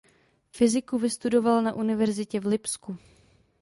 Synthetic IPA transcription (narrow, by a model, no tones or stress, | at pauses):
fɪzɪkuvɪst̪udo̞valnaʔunɪvɛɾzɪcɛvlɪpsku